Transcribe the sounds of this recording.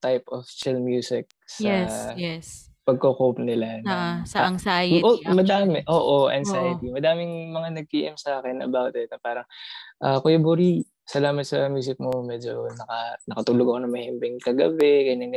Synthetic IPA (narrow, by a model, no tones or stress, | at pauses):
t̪ajpoft͡ʃɪlmjuːsɪk̚sɐɛ | pɐɡ̚kokowp̚nɪlanɐsɐɐŋsaːjomɐd̪aːmɪʔoːʔoʔɐ̰nsajɪt̪imɐd̪aːmɪŋmɐŋanɐɡ̚kiːʔɪmsɐʔaːkɛnʔɐ̰bawt̪ɪt̪̚nɐpaːɾɐŋʔakojɐboɾi | sɐlaːmɐt̪̚sɐmjuːs̬ɪk̚momɛːd͡ʒonɐkɐnɐkɐt̪uːloɡɐko̞nɐŋmɐhɛmbɪŋkɐɡɐbɛɡɐɲɐŋ